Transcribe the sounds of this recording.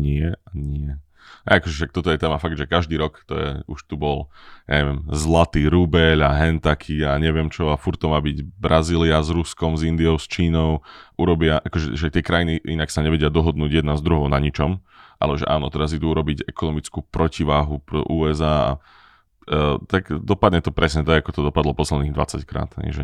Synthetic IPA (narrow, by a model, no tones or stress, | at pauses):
ɲɪɛaɲɪɛ | ɦɛ̰ɪakɔʒɛʃak̚t̪ɔt̪ɔjɛt̪ɛːmafaɡ̚d̪ʒɛkaʒd̪iːɾɔkt̪ɔjɛ̰uʃt̪ubɔlja̰ɲɛʋɛmzlat̪iːɾubɛʎaɦɛnt̪akʰiaɲɛʋɪɛmt͡ʃɔafuɾt̪ɔmaːbiɟbɾʔaziːliazɾuskɔmzind̪iɔʊst͡ʃiːnɔʊʔuɾɔbɪaʔakɔʒɛ̰ʒɛt̪ɪɛkɾajiniinaksaɲɛʋɛɟɪad̪ɔɦɔd̪nuːɟjɛd̪nazd̪ɾuɦɔʊnaɲit͡ʃɔm | ʔa̰lɛʒɛ̰ʔa̰ːnɔt̪ɛɾazid̪uːuɾɔbiɟɛkɔnɔmit͡skuːpɾɔciʋaːɦupʔuːɛzaːa̰ | t̪aɡd̪ɔpad̪ɲɛt̪ɔpɾɛsɲɛt̪aɡakɔt̪ɔd̪ɔpad̪lɔpɔslɛd̪niːɣd̪ʋa̰t͡sackɾa̰ːt̪ɦɛ̰ɪʒɛ